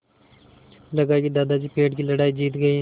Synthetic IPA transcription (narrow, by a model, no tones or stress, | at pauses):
ləɡaːkid̪aːd̪aːd͡ʒiːpeːʈkiːləɽaːiːd͡ʒiːt̪ɡəiː